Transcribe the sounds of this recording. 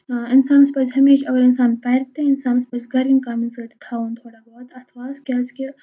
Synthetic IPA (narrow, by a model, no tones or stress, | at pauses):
ɪnsaːnspɐd͡ʒɦɐmeːʃɐɡəɾɪnsaːnpɐːɾt̪eɪnsaːnspɐt͡ʃɡɐɾiŋkaːminsɐʈt̪ʰaːũnt̪ʰoːɽabɔɦt̪ɐt̪ʰʋaːskʲaːd͡ʒke